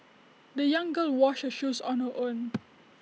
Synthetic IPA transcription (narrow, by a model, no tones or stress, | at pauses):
dəjãŋɡəlwɔʃəʃusɔ̃nhəʔõn